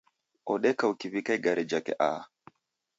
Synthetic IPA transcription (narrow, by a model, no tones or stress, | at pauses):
ɔɗɛkaukiβikaiɡaɾʔɛd͡ʒakɛ̰ʔa̰